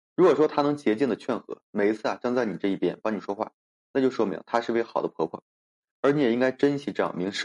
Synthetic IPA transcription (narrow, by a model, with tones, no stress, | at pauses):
ɻu˧˥kwɔ˨˩ʂwɔ˥t̪ʰa˥nɤ˧˥ŋt͡ɕjɛ˧˥t͡ɕi˥˩ŋd̪ə˩t͡ɕʰɥɛ˥˩nxɤ̰˧˥me˨˩ɪi˧˥t͡sʰɹ̩˥˩a˨˩t͡ɕjɑ˥ŋt͡sa˥˩ɪni˨˩ʈ͡ʂɤ˥˧i˥˩pjɛ̰˥npɑ˥ŋni˨˩ʂwɔ˥xwa̰˥˩ | na˥˩t͡ɕjo˥˧ʊʂwɔ˥mḭ˧˥ŋt̪ʰa˥ʂɻ̩˥˩˧we˧˩ɪxɑ˨˩ʊd̪ə˦pʰɤ˧˥pʰwɔ̰˥˩ | ə˞˧˥ni˧˥jɛ˨˩i˥ŋka˥ɪʈ͡ʂə˥nt͡ɕʰi˧˥ʈ͡ʂɤ˥˩jɑ̰˨˩ŋmi˧˥ŋʂɻ̩˥˩